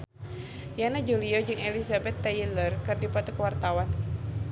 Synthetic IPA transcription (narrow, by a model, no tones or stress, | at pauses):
janad͡ʒuliɔd͡ʒɨŋelisabɛt̪ːailərkɨrdipat̪ukəwart̪awan